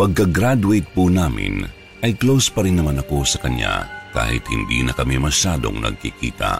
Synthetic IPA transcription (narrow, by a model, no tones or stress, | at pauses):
pɐɡ̚kɐɡɾad̪uejt̪̚punaːmɪ̰n | ʔɐjklowspɐɾɪnːɐmanɐko̞sɐkɐɲja̰ka̰ːhɪ̰t̪̚hɪnd̪ḭnɐkɐmimɐʃaːd̪o̞̰ŋnɐ̰ɡ̚kikḭːt̪ɐ̰